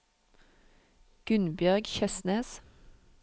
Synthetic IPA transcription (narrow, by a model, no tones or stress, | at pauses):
ɡ̥ʉnbjœʁɡçœsneːs